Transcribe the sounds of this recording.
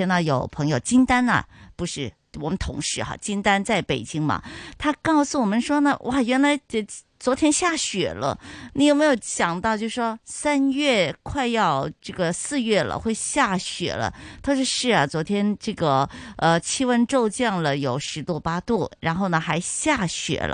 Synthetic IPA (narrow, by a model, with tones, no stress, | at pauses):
ɛ˥nə˧˩jo˨˩ʊpʰɤ˧˥ŋjo˨˩ʊt͡ɕi˥nt̪a˥nɐ̰˨pu˧˥ʂɻ̩˥˩ | wɔ˨˩mə˦nt̪ʰʊ̰˧˥ŋʂɻ̩˧˥xɐ̰˧˩t͡ɕi˥nt̪a˥nt͡sa˥˩ɪpe˨˩ɪt͡ɕi˥ŋmɐ̰˨˩t̪ʰa˥kɑ˥˩ʊsu˩wɔ˨˩mə˦nʂwɔ˥nə˨wʔa˥˩jɥɛ˧˥nla˧˥ɪ˧ | t͡swɔ˧˥t̪ʰjɛ˥nɕja˥˩ɕɥɛ˨˩lə̰˦ni˧˥jo˨˩me˧˥ɪjo˧˩ʊt͡ɕjɑ˨˩ŋt̪ɑ˥˧ʊt͡ɕjo˥˧ʂʂwɔ˥sa˥nɥɛ˥˩kʰwa˥˧ɪjɑ˥˧ʊʈ͡ʂɤ˥˩ɡə˩sɹ̩˥˧ɥɛ˥˩lə̰˩xwe˥˧ɪɕja˥˩ɕɥɛ̰˨˩lə̰˦t̪ʰa˥˧ʊʂɔ˥˧ʂɻ̩˥˩ɐ˩t͡swɔ˧˥t̪ʰjɛ˥nʈ͡ʂɤ˥˩ɡə˩ə˧t͡ɕʰi˥wə˥nʈ͡ʂo˥˧ʊt͡ɕjɑ˥˩ŋlə˩jo˨˩ʊʂɻ̩˧˥t̪u˥˧˩pa˥t̪u˥˩ɻa˧˥nxo˥˩ʊnə˩xa˧˥ɪɕja˥˩ɕɥɛ̰˨˩lə̰˦